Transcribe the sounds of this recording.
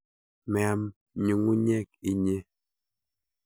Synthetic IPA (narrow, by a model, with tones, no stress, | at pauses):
mɛ˨˦m | ɲu˨ŋu˦ɲɛ˦k̚i˨ɲe˦